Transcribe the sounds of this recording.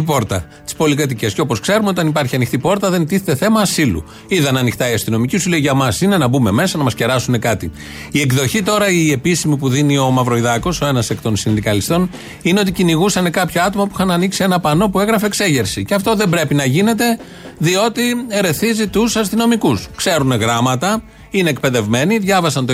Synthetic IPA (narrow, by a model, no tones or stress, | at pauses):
ipo̞ɾt̪ɐ̰ | t̪i̥spo̞likɾɐt̪̬ice̞sceo̞po̞skse̞ɾumeo̞t̪ɐnipɐɾçiɐnixt̪ipo̞ɾt̪ɐðe̞nt̪iθet̪e̞θe̞mɐːsilṵ | iðɐnɐnixt̪ɐiɐst̪ino̞micisuleiʝɐmɐsine̞nɐbume̞me̞sɐnɐmɐsce̞ɾɐsune̞kɐt̪i | ie̞kðo̞çit̪o̞ɾɐie̞pisimipuðinio̞mɐvɾo̞iðɐko̞so̞e̞nɐsekt̪o̞nsinðikɐlist̪o̞n | ineo̞t̪̬iciniɣusɐne̞kɐpçoɐt̪o̞mɐpuixɐnɐniksie̞nɐpɐno̞pue̞ɣɾɐfe̞kse̞ʝe̞ɾsiceɐft̪o̞ðembɾe̞pinɐʝine̞t̪e̞ | ðio̞t̪ieɾe̞θizit̪usɐst̪ino̞mikuskse̞ɾune̞ɣɾɐmɐt̪ɐ | ine̞ːk̚pe̞ðe̞vme̞niðʝɐvɐsɐnt̪o